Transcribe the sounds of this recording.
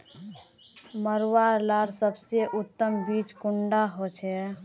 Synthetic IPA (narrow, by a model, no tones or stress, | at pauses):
məɾaɾlaɾsəbseʔut̪ːəmbit͡ʃkuɳɖaɦot͡ʃʰɛ